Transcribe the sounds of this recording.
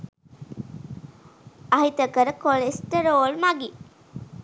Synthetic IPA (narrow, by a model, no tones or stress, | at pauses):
aɦit̪əkəɾəkoɭesʈəɾoːɭmaɡi